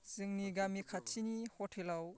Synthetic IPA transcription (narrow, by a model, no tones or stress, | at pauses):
z̥iŋniɡamikʰat̚t͡ʃinihɔtʰelaw